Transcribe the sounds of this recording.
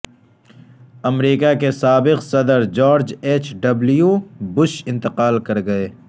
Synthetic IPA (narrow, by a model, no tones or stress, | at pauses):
ɐmɾiːkakesaːbɪqsɐd̪əɾd͡ʒɔːɾd͡ʒeːt͡ʃɖɐblijubʊʃɪ̃nt̪ɪqaːlkɐɾɡɐeː